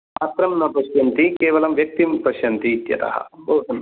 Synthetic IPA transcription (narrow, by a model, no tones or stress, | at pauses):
aːt̪ɾɐmnɐpɐʃjɐnt̪ikeːʋɐlɐmʋjɐk̚t̪impɾɐʃjɐnt̪iːt̪jɐ̰t̪ɐ̰ɦɐ̰bʱɐwd̪ɐn